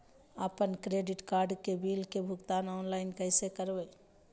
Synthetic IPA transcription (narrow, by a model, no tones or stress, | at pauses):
əpənkɾeːɖɪʈkaːɾɖkebiːlkebʱʊkt̪aːnɔːnlaːɪnkəɪsekəɾbə